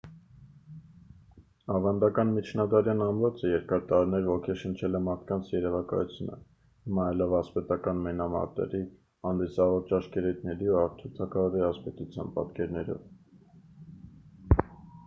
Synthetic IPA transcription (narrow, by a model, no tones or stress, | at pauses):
ɑvɑnd̪ɑkɑnmit͡ʃʰnɑd̪ɑɾjɑnɑmɾɔt͡səjɛɾkɑɾt̪ɑɾinɛɾvɔkʰɛʃənt͡ʃʰɛlɛmɑɾt̪kɑnt͡sʰjɛɾɛvɑkɑ̰jut͡sʰjunə̰ | himɑːjlɛvɑspɛt̪ɑkɑnmɛnɑmɑ̰t̪ɛ̰ɾi | hɑnd̪isɑvɔɾt͡ʃɑʃkɛɾujt̪̚ʰnɛɾiuɑɾt̪ʰut̪ʰɑkʰɑvɔɾiɑspɛt̪ut͡sʰjɑ̰npɑ̰t̪kɛɾnɛɾɔ̰v